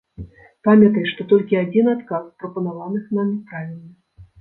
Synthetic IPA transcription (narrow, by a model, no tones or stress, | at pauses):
pamʲɐt̪ɐjʂt̪ɔt̪ɔlʲkʲiad͡zʲinat̪kaspɾɐpɐnavanɨxnamʲipɾavʲilʲnɐ